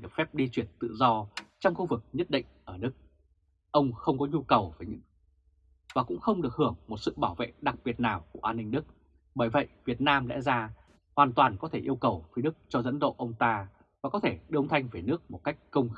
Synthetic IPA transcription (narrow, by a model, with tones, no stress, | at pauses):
ɗɨ˨˩ək̚fɛ˦˥p̚ɗi˧t͡ɕwi˧˩ənt̪ɨ̰˧˨zɔ˧t͡ɕɔ˧wŋ͡mxu˧vɨ˨˩k̚ɲə˦˥t̚ɗḭ̈˧˨ŋ̟ʔəː˧˩nɨ˦˥k̚ | ʔə˧wŋ͡mxə˧wŋ͡mkɔ˨˦ɲu˧kə˨˩wvəː˨˩jɲɨ̰˧˥ŋ | vaː˨˩kʊ̰˧˥ŋ͡mxə˧wŋ͡mɗɨ˨˩ək̚hɨ˧˩əŋmo˨˩t̚sɨ̰˧˨ɓaː˧˩wvḛ˧˨ɗa˨˩k̚ɓi˨˩ət̚naː˨˩wku˧˩əʔaː˧nːï˧ŋ̟ɗɨ˦˥k̚ | ɓəː˧˩jvə̰˧˨jvi˨˩ət̚naː˧mlɛ̰˧˥zaː˧ | hwaː˨˩nt̪waː˨˩nkɔ˨˦t̪ʰe˧˩ʔi˧əwkə˨˩wfi˨˦ɗɨ˦˥k̚t͡ɕɔ˧zə̰˧˥nɗo̰˧˨ʔə˧wŋ͡mt̪aː˧ | vaː˨˩kɔ˨˦t̪ʰe˧˩ɗɨ˨˩˦ŋ͡mt̪ʰa˧jŋ̟ve˨˩nɨ˦˥ək̚mo˨˩t̚ka˦˥jk̟̚kə˧wŋ͡m